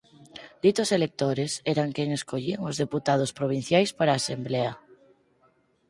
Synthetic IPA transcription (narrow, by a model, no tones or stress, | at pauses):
d̪it̪oselek̚t̪oɾesɛɾaŋkeŋeskoʎiaŋʊzðeput̪að̞ospɾoβ̞in̟θjajspaɾaːsemblɛa